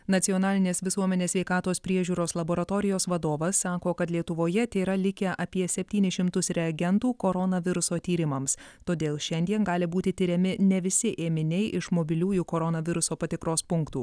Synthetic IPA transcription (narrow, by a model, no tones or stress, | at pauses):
nɐt̪sʲɪjɔnɑːlʲɪnʲeːsʋʲɪsuɔmʲɛnʲeːsʲʋʲɛɪkɑːt̪oːspʲɾʲiɛʒʲuːɾoːslˠɐboːɾɐt̪oːɾʲɪjoːsʋɐd̪oːʋɐsːɑːkoːkɐt̪lʲiɛt̪ʊʋoːjɛt̪ʲeːɾɐlʲɪkʲɛʔɐpʲiɛsʲɛpʲt̪ʲiːnʲɪʃʲɪmt̪ʊsɾʲɛɐɡʲɛnt̪uːkoɾɔnɐʋʲɪɾʊsoːt̪ʲiːɾʲɪmɐmst̪oːd̪ʲeːlˠʃʲɛnʲd̪ʲiɛnɡɑːlʲɪbuːt̪ʲɪt̪ʲɪɾʲɛmʲɪnʲɛʋʲɪsʲɪʔeːmʲɪnʲɛɪʔɪʃmobʲɪlʲuːjuːkoɾɔnɐʋʲɪɾʊsoːpɐt̪ʲɪkɾoːspʊŋkt̪ṵː